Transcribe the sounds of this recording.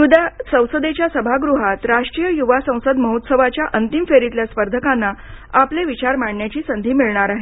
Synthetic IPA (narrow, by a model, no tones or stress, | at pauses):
jud̪asə̃w̃səd̪et͡ɕjasəbʱaɡɾuɦat̪ɾaʂʈɾijəjuʋasə̃w̃səd̪məɦut̪səʋat͡ɕjaʔənt̪imfeɾit̪ljaspəɾd̪ʱəkãnːaapleʋit͡ɕaɾmaɳɳjat͡ɕiːsənd̪ʱiːmiɭɳaɾaɦe